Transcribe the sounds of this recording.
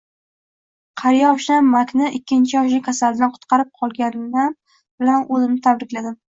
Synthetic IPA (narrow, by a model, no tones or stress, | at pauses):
qʰɑɾjɒʃnamːakʲʰnɪʔɪkʲʰːɪnt͡ʃʰɪjɒʃɪkʲʰasald̪anqʰʊ̥t̪qʰɑɾɪp̚qʰɒlˠɡʲanan | bɪlanʔɵzɪmnɪt̪ʰabɾɪkʲlad̪ɪm